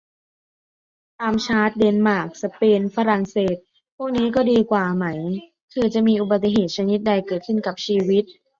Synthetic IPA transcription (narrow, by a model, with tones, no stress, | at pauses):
t̪aː˧mt͡ɕʰaː˦˥t̪̚de˧nmaː˨˩k̚sa˧peː˧nfa˧˥ɾa˨˩ŋseː˨˩t̪̚ | pʰu˥˩k̚niː˦˥kɔː˥˩diː˧kwaː˨˩ma˦˥j | kʰɯː˧˩t͡ɕa˨˩miː˧ʔu˨˩ba˨˩t̪ːi˨˩ɦeː˨˩t̪̚t͡ɕʰa˧ni˦˥t̪̚da˧jkɤː˨˩t̪̚kʰɯ˥˩nka˨˩p̚t͡ɕʰiː˧wi˦˥t̪̚